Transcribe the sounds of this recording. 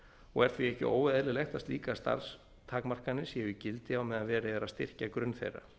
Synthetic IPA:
ɔ̰ɣɛɾ̥t̪ʰviɛhcɪ̰ʔo̰ːwvɛðlɪlext̪ast̪liːkast̪a̰ɾs | t̪ʰaːkmar̥kanːɪsjɛicɪlt̪ɪawmɛðaðvɛːɾɪɛɾast̪ɪr̥cakɾʏnθḛjrːa̰

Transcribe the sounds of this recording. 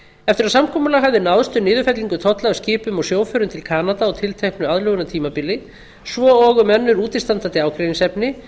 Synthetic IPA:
ɛft̪ɪɾasamkʰɔːmʏlaɣɦavðɪnawðʏst̪ʏnɪːðʏfɛt̪liŋkʏt̪ʰɔht̪laːvscɪːpʏmɔsjoːwfʏɾʏmt̪ʰɪlkʰaːnat̪aɔt̪ʰɪlt̪ʰejhknʏaðlœɣʏnat̪ʰiːmapɪlːɪ | svɔɔɣʏmɛnːʏɾuːt̪ɪ̥st̪ant̪ant̪ɪaːwkʰɾejniŋsɛpnɪ

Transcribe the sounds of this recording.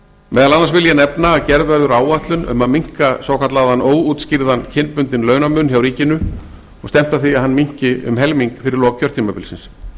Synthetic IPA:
mɛːðalanːaɾsvɪljanɛpnaːcɛɾðvɛɾðʏɾaːwaht̪lʏnʏ̰maðmiŋ̥kasvaːwkʰat̪laðanoːwut̪scɪɾðancʰɪnːpʏnt̪ɪnlœːɥnamʏnːçjawɾiːcɪnʏ | ɔɣst̪ɛm̥t̪aθiaðɦanːmiɲ̥cɪʏ̰mɦɛlmiŋkfɪɾɪɾlɔːkcʰœɾt̪ʰiːmapɪlsɪns

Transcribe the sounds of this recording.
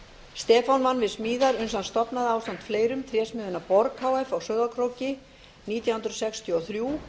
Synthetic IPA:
st̪ɛːfanvanːvɪðsmiːðaɾʏnsanst̪ɔpnaðaːwst̪ant̪fleːjɾʏmt̪ʰɾjɛːsmɪðʏnapɔɾkhaːwɛfawsœɣðakʰɾowcɪ | niːt̪jahʏnt̪ɾsɛkst̪ʰjɔɔθɾjuː

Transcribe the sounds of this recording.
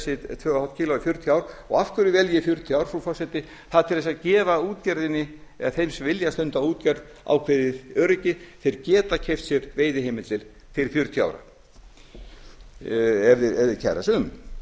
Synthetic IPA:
sɪt̪ʰvœːahɔt̪̚cʰɪiːloafjʏɾ̥t̪ʰjaːwɾɔɣafkʏɾɪvɛljɪfjʏɾ̥t̪ʰiaːwɾ̥fɾɔfɔrsɛt̪ɪ | θaðt̪ʰɪlðɛs̬acɛːvauːt̪cɛɾðɪnːɪɛ̰aθejmsvɪljast̪œnt̪auːt̪caɾð | a̰wkʰveðɪœːɾɪcɪθɪɾcɛːt̪acʰɛjft̪sjɛɾveːjðɪɦejmɪlt̪ɪl | θɪɾɪfjʏɾ̥t̪ʰjʏa̰wɾa̰ | ɛɾðɪɛɾðɪcʰɛ̰ɾa̰sʏm

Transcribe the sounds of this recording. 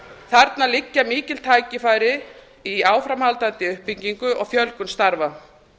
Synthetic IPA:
θaɾt̪nalɪcːamiːcɪl̥t̪ʰaːjcɪfaːjɾɪ | iaːwfɾamhalt̪at̪ɪʏhpiɲciŋkʏʔɔɣfjœlkʏnst̪aɾva

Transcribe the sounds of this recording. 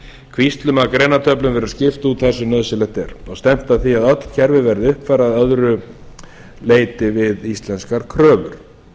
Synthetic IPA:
kʰvist̪lʏmakɾejnat̪ʰœplʏmvɛɾaðscɪft̪ut̪θɛsʏnœðsɪlɛht̪ɛɾɔst̪ɛm̥t̪aðθiaðœt̪l̥cʰɛɾvɪvɛɾðɪʏhpfaɾaðœðɾʏ | leːjt̪ɪvɪðist̪lɛnskaɾkʰɾœːvʏɾ̥

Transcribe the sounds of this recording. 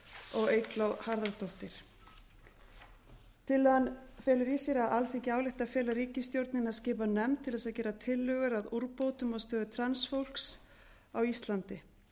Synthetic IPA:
ɔɣejklawhaɾðaɾt̪oht̪ɪɾ̥ | t̪ʰɪlanfɛːlʏɾisɛɾaðʔalθecaːwlɪht̪aðfjɛːlaɾiːcɪst̪jowɾt̪nɪnaðscɪːp̬anɛmt̪ʰɪlðɛsaðcɛːɾat̪ʰɪlːœɣʏɾaðuɾpowt̪ʏmast̪œːðʏt̪ʰɾansfowl̥ks | awist̪lant̪ɪ

